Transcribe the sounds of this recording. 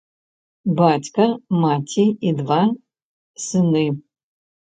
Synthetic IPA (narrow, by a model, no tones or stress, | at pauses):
batʲkɐmatʲʰiid̪va | sɨnɨ